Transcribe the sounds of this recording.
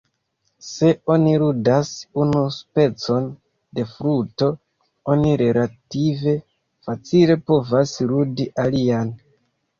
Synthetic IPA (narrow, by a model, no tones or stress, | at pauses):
se̞o̞niɾudasunuspe̞t͡so̞n | de̞fɾuto̞ | o̞niɾe̞lative̞ | fat͡sile̞po̞vasɾudiʔalian